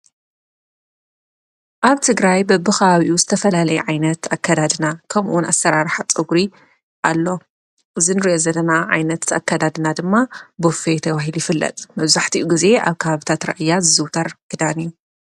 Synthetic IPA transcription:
ʔaβt̪ʰɨɡɾajbɐbːɨxɐβaβiʔuzɨt̪ʰɐfɐlalɐjɛʕajnɐt̪akːad̪ad̪ɨnakʰɐmʔunasːɐɾaɾħat͡sʼɨɡɾi | ʔalːo̞ | ʔɨzinɨɾiʔozɐlːɐnaʕa̰jnɐt̪a̰kʰːad̪ad̪ɨnad̪ɨmːabofet̪ʰɐβaɦiljɪfɨlːɐ̰t̪ʼmɐβzaħt̪ʰiʔuɡize̞ʔa̰βkʰɐβaβɨt̪ʰat̪ɾɐ̰ʔɨjːazɨzɨwt̪ʰɐɾɡ̥ɨd̪anijːu

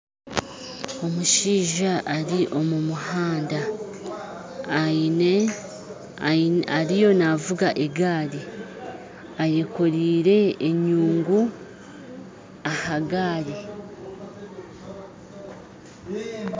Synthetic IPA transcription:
o̞muʃiːʒaʔːɾiʔo̞mumuhaːnda | aɾijo̞navuɡaʔeɡaːɾi | aje̞koɾiːɾe̞ːɲuːŋɡu | ahaɡaːɾi

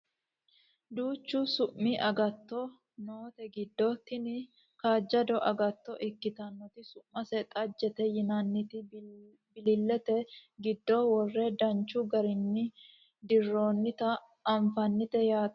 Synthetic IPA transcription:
d̪uːt͡ʃːʊsʊʔːiʔɐɡɐt̪ːɔ | noːt̪ɛɡɪd̪ːɔt̪ːɪnɪ | kaːd͡ʒːɐd̪ɔʔɐɡɐt̪ːɔʔɪkːɪt̪ɐnːɔt̪ɪsʊʔːɐsɛt̪ʼɐd͡ʒːɛt̪ɛjɪnɐnːɪt̪ɪ | bɪlɪlːɛt̪ɛɡɪd̪ːɔwɔrːɛd̪ɐnt͡ʃːʊɡɐɾɪnːɪ | d̪ɪrːoːnːɪt̪ɐː | ɱfɐnːɪt̪ɛjaːt̪

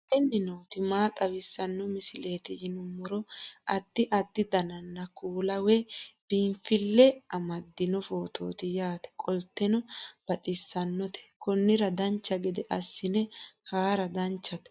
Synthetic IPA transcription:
tɛnːɪnoːt̪ɪmaːt̪ʼɐwɪsːɐnːɔmɪsɪleːt̪ɪjɪnʊmːɔɾɔʔɐd̪ːɪʔɐd̪ːɪd̪ɐnɐnːɐkuːlɐwɛb̥imfɪlːɛɐmɐd̪ːɪnɔfoːt̪ʰo̰ːt̪ɪjaːt̪ɛ̥kʼɔlt̪ːɛnɔb̥ɐt̪ʼɪsːɐnːɔt̪ʰɛ̥kɔnːɪɾɐd̪ɐnt͡ʃːɐɡɪd̪ɛʔɐsːɪnɛhaːɾɐd̪ɐnt͡ʃːɐt̪ɛ̥

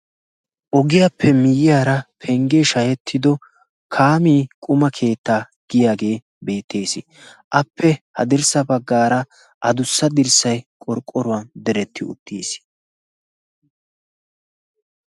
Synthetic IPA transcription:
ʔɔɡɪjapʰːɛmɪjɪjaːɾɐpʰɛŋɡeʃɐjɛt̪ʰːɪd̪ɔ | kʰaːmiːkʼʊmɐkʰe̞ːt̪ːaː | ɡ̥ɪjaːɡe̞ː | be̞ːt̪ʰːe̞ːsɪ | ʔɐpʰːɛhɐ̰d̪ɪɾsɐbɐɡːaːɾɐ | ʔɐd̪ʊsːɐd̪ɪɾsɐjkʼɔɾkʼːɔɾʊwɐnd̪ɛɾɛt̪ʰːɪʊ̰t̪ːḭːs

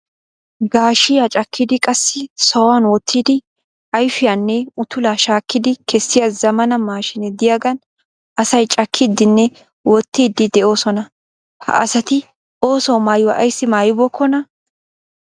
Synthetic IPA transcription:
ɡaːʃɪjaːt͡ʃʼɐkːɪd̪ɪkʼɐsːɪsɔwanwɔt̪ʰːiːd̪ɪ | ɐjfɪjanːɛʊt̪ʊlaːʃaːkːɪd̪ɪkʰɛsːɪjazɐmɐnɐmaːʃɪnɛd̪ɪjaːɡɐn | ʔɐsɐjt͡ʃʼɐkʰːɪd̪ːɪnːɛ | wɔt̪ːiːd̪ːɪd̪ɛʔo̞ːsɔnɐ | hɐ̰ʔɐsɐt̪ɪ | ʔo̞ːsɔwmaːjwɐʔɐjsːɪmaːjɪbɔkʰːɔnɐ

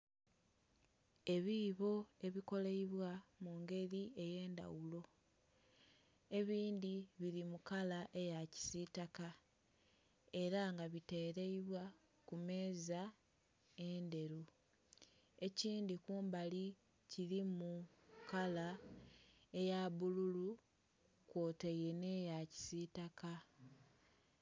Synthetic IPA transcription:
e̞βiβo̞e̞βiko̞leiβwamuːŋɡe̞ɾie̞je̞ːnda̰wulo̞ | e̞βiːndiβiɾimukalaʔe̞jaci̥sitaka | e̞ɾaŋɡaβite̞ːɾe̞iβwa | kume̞ːza | e̞nde̞ɾu | e̞ciːndikuːmbali | ciɾimukala | ejaβululu | kwo̞ːtejene̞jaci̥sitaka

